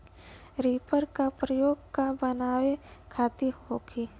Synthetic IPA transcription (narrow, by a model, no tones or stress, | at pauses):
ɾiːpəɾkapɾəjoːɡkabənaːwekʰaːt̪ihoːkʰi